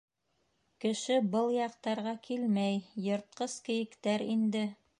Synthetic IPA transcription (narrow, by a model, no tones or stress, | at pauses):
kɘ̆ʃɘbɤlˠjɑq̚t̪ɑɾʁɑkʰilmæjjŏɾt̪̚qɤskɘ̆jɘ̆kt̪æɾind̪ɘ